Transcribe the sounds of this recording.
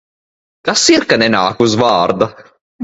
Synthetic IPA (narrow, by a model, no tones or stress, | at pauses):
kasːiɾkanɛna̰ːkuzvaɾd̪a